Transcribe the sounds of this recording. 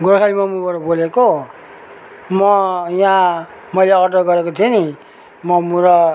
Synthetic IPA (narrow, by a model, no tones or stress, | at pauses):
ɡuɾakʰalimʌmubʌɾʌboleko | mʌjã | mʌjleʌkʌʈːʌɡʌɾekot̪ʰieni | mʌmuɾʌ